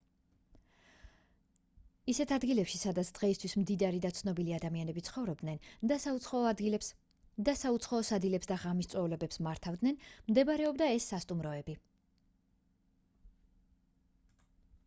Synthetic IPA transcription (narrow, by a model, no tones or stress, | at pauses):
isɛt̪ʰad̪ɡilɛpʃisad̪at̪sʰd̪̥ʁɛist̪ʰwismd̪id̪aɾid̪at̪sʰnɔbiliad̪amianɛbit̪sʰχɔvɾɔb̚d̪nɛnd̪a | d̪asaut̪sʰχaɔsad̪ilɛpsd̪aʁamist̪sʼwɛvlɛbɛpsmaɾt̪ʰavd̪nɛnmd̪ɛbaɾɛɔbd̪aɛsːast̪ʼumɾɔɛbi